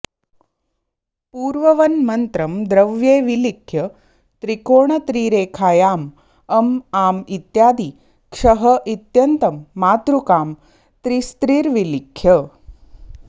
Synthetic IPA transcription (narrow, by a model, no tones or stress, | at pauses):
puːɾʋɐʋɐnmɐnt̪ɾɐmd̪ɾɐʋjeːʋilikʰjɐ | t̪ɾikoːɳɐt̪ɾiːɾeːkʰaːjaːm | ɐmaːmit̪jaːd̪i | kʂɐɦɐʔit̪jɐnt̪ɐmːaːt̪ɾukaːm | t̪ɾist̪ɾiːɾʋilikʰːjɐ